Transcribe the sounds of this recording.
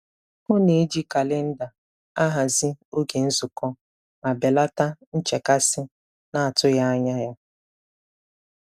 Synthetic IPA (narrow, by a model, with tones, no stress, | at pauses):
mʊ˦ne˨˦d͡ʒi˦ka˨lɪ˦n̩˦da˨ | a˦ɦa˨zi˦o˦ɡe˨n̩˦zʊ˨kɔ˦ | ma˨be˨la˦ta˦n̩˦t͡ʃe˨ka˦sɪ˦ | na˦a˨tʊ˦ja˦ɲa˦ja˦